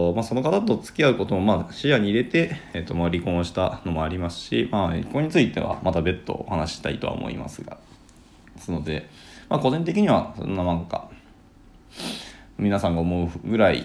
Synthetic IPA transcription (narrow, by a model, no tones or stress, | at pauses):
maːso̞no̞kat̪at̪o̞t͡sɨ̥kʲiaɯ̟ko̞t̪o̞momaːɕijaɲ̟iːɾe̞t̪e̞et̪ːomaɾʲikõ̞ɕi̥t̪ano̞mo̞aɾʲimasɨ̥ɕḭmaːkoɲ̟it͡sɨit̪e̞̰βa̰mat̪abe̞t̪ːo̞̰ːhanaɕi̥t̪a̰it̪o̞a̰o̰mo̞̰ḭma̰sɨɡa̰̥ | sɨno̞d̪e̞ | maːko̞ʑĩnt̪̬e̞kʲiɲ̟iβasõ̰nːanãŋka̰ | mʲinasãŋɡaomo̞ɯ̟ɡɯ̟ɾaḭ